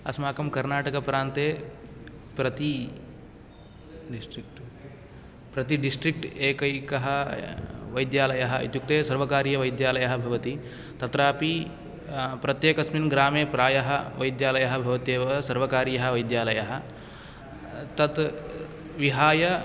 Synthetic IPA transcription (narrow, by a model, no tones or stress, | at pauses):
ɐsmaːkɐmkɐɾnaːʈɐkɐpɾaːnt̪eː | pɾɐt̪i | sʈɾk | pɾɐt̪iɖisʈɾik̚ʈeːkɐjkɐɦɐ | ʋɐjd̪jaːlɐjɐɦɐḭt̪juk̚t̪eːsɐɾʋɐkaːɾjɐʋɐjd̪jaːlɐjɐɦɐ̆bʱɐʋɐt̪i | t̪ɐt̪ɾaːpi | pɾɐt̪jeːkɐsminɡɾaːmeːpɾaːjɐɦɐʋɐjd̪jaːlɐjɐɦɐbʱɐʋɐt̪eːʋɐsɐɾʋɐkaːɾjɐɦɐʋɐjd̪jaːlɐjɐɦɐ̆ | t̪ɐt̪ | ʋiɦaːjɐ